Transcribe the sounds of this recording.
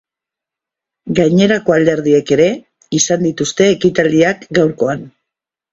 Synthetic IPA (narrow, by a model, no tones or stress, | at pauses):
ɡajɲe̞ɾako̞ald̪e̞ɾð̞ie̞ke̞ɾe̞ | isand̪it̪ust̪e̞ːkit̪ald̪iakɡawɾko̞an